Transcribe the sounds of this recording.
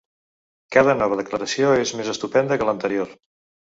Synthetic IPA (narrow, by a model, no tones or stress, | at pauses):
kaðənɔβ̞əðəkləɾəsioezmezəst̪upɛnd̪əkələnt̪əɾioɾ